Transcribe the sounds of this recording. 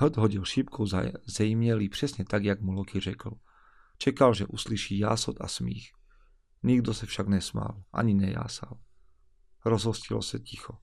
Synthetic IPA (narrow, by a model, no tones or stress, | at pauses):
ɦd̪ɦɔɟilʃipkʰɔʊzɛjmɲɛlipr̝̥ɛsɲɛt̪aɡjaɡmulɔkirɛkl̩ | t͡ʃɛkalʒɛʔusliʃiːjaːsɔd̪a̰smḭːx | ɲiɡd̪ɔsɛfʃaɡnɛsma̰ːlʔa̰ɲinɛja̰ːsa̰l | ɾɔzɦɔscilɔ̰sɛcixɔ